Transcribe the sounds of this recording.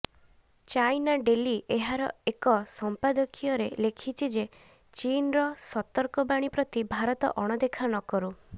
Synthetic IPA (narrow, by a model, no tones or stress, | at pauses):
t͡ʃajnaɖeliʔeɦaɾɔ̰ekɔsɔmpad̪ɔkʰijɔɾelekʰit͡ʃʰid͡ʒe | t͡ʃinɾɔsɔt̪ɔɾkɔbaɽ̃ipɾɔt̪ibʱaɾɔt̪ɔ̰ʔɔɽ̃ɔd̪ekʰanɔkɔɾu